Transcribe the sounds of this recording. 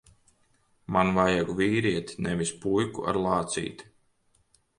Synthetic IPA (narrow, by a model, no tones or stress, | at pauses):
manvajaɡuviːɾiɛt̪nɛvispujkṵa̰ɾlˠɑːt̪sḭːt̪